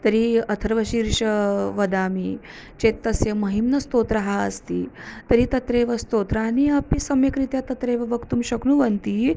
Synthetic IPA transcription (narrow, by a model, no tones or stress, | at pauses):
t̪ɐɾiɐt̪ʰɐɾʋɐʃiːɾʂɐʋɐd̪aːmi | t͡ʃeːt̪ːɐsjɐmɐɦimnɐst̪oːt̪ɾɐɦaɐst̪iːt̪ɐɾit̪ɐt̪ɾeːʋɐst̪oːt̪ɾaːniɐpisɐmjɐkɾit̪jat̪ɐt̪ɾeːʋɐʋɐkt̪umɕɐknuʋɐnt̪iː